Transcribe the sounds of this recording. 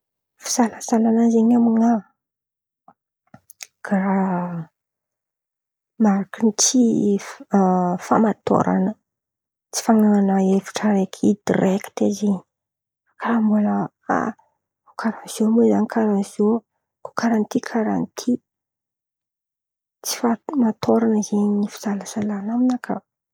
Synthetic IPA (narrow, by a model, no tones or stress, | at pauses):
fi̥z̥alazalanazeɲamiŋa | ɡ̥ara | maɾakənit͡si | famat̪o̰ɾʔa̰nə | t͡si̥faŋaanaefi̥ʈ͡ʂəɾekʰid̪ireki̥t̪ezeɲ | kaɾambulə | a̰ | kʰaɾazomezaɲikʰaɾazo | ko̥kaɾant̪ikʰaɾant̪ʰi | t͡si̥famat̪ʰoɾanzeɲnifi̥zalasalanaminakʰə̰